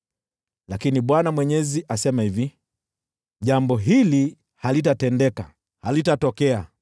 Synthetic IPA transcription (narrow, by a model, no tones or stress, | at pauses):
lakiniɓwanamwɛɲɛziʔasɛmahivi | ʄambɔɦili | halitatɛndɛka̰ | halitatɔkɛa